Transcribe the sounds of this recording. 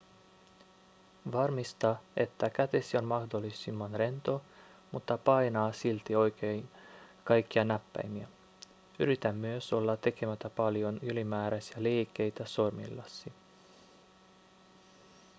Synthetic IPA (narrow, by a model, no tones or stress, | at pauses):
ʋɑrmist̪ɑe̞̰t̪ːækæt̪e̞sio̞nmɑhdolːisimːɑnre̞nt̪o̞ | mut̪ːɑpɑjnɑːsilt̪io̞jkejnkɑjkːiɑnæpːæ̰jmiæ | yɾit̪æmːyøso̞lːɑt̪ːe̞ke̞mæt̪æpɑljo̞nylimæːɾæsiæleːkːe̞jt̪æso̞rmḭlːɑsːi